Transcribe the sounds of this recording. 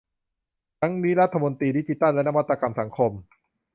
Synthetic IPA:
t̪ʰa˦˥ŋniː˦˥ɾa˦˥t̪ʰːa˧mo˧nt̪iː˧di˦˥t͡ɕi˦t̪a˥˩nlɛ˦˥na˥wa˦˥t̪ːɾa˧ka˧msa˩˦ŋkʰo˧m

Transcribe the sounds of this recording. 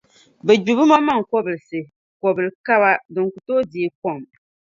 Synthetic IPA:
bɛ˨d͡ʒu˨βɨ˦ma˦ma˦ŋ˨kɔ˦bɨ˨lɨ˨sɨ˨ | kɔ˨bɨ˨lka˦βa˦dɨ˨ŋ˨ku˨toː˦di˨e˨kɔ˦˨m

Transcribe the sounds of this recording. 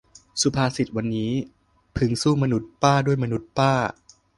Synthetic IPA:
su˨˧˦pʰaː˧si˨˩t̪̚wa˧nːiː˦˥ | pʰɯ˩˦ŋsuː˥˩ma˧nu˦˥t̪̚paː˥˩du˥˩əjma˧nu˦˥t̪̚paː˥˩

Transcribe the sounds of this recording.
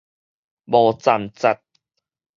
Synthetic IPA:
bɔː˨t͡sa˨˩mt͡sa˨˧t̪̚

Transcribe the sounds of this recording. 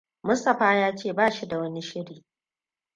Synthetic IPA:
mʊ˦stɐ˨ɸaː˦jaː˦t͡ʃeː˦˨baː˦ʃi˦da˨wɐ˦ni˦ʃɪ˦ɽiː˨

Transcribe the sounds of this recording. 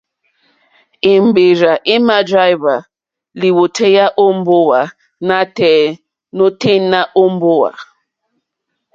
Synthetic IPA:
e˨m̩˨be˨ɾa˨ʔe˦ma˦dɾa˦jva˨ | li˨wo˨tʰe˦ja˦ʔo˦m̩˦bo˦wa˨ | na˦tɛ˦ | no˦te˦na˦ʔo˦m̩˦bo˦wa̰˨

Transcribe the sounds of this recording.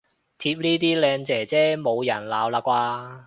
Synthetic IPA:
t̪ʰiː˧p̚niː˥t̪iː˥lɛː˧ŋt͡sɛː˨˩t͡sɛː˥mo˨˧wjɐ˨˩nlaː˨˧wlaː˧kʷaː˧

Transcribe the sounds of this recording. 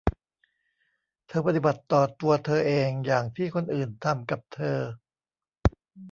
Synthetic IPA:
t̪ʰɤː˧pa˧t̪i˨˩ba˨˩t̪ːɔː˨˩t̪u˧ɐt̪ʰɤː˧ʔeː˧ŋjaː˨˩ŋt̪ʰiː˥˩kʰo˧nʔɯː˨˩nt̪ʰa˧mka˨˩p̚t̪ʰɤː˧

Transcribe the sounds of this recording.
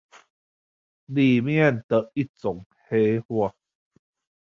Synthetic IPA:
li˨mjnt̪ə˨ʔi˦t͡so˨˦ŋ | he˦hwa˧

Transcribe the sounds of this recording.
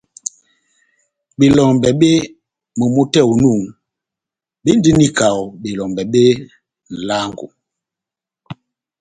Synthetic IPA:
ɓe˨lɔ˨mbɛ˨ɓe˦ | mo˨mo˦tɛ˦˨u˨nu˦˨ŋ | ɓe˦n˦di˦ni˦ka˨wɓe˨lɔ˨mbɛ˨ɓe˦ | n̩˨la˦ŋɡṵ˨

